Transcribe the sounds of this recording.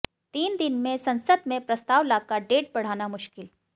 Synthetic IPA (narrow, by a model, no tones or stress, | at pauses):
t̪iːnd̪ɪnmẽsɐ̃nsəd̪mẽpɾɐst̪aːʋlaːkaɖeːʈ̚bɐɽ̤aːnamʊʃkɪl